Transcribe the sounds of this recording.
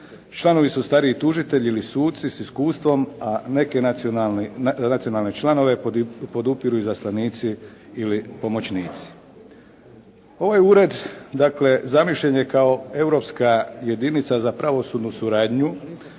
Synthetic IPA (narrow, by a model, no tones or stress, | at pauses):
t͡ʃlˠano̞ʋisust̪aɾiit̪uʒit̪e̞ʎiilisuːt̪t̪sisiskuːst̪ʋo̞mane̞ke̞ | nat̪sijo̞nalˠne̞t͡ʃlˠano̞ʋe̞po̞d̪upiɾuizaslˠaniːt̪siilipo̞mo̞t͡ɕniːt̪si̥ | o̞ʋajuɾe̞d̪d̪akle̞zamiʃʎeɲekao̞e̞wɾo̞pskaje̞d̪init̪sazapɾaʋo̞suːd̪nusuɾaːd̪ɲu